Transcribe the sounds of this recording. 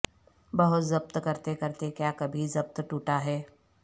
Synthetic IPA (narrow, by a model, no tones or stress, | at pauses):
bɐɦʊt̪zɐbt̪kɐɾt̪ekɐɾt̪ekjaːkɐbʱizɐb̚t̪ʈuːʈaɦɛː